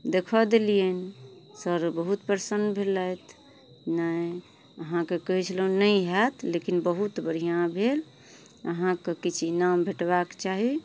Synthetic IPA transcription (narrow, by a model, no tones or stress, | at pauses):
d̪ekʰɔd̪eliensəɾbəɦut̪pəɾsənd̪bʱelət̪ʰ | nə | əɦãkekəɦit͡ʃʰlɦũnəiɦat̪ʰlekinbəɦut̪bəɾ̤ijãbʱel | əɦãkekit͡ʃʰnambʱeʈbakt͡ʃaɦi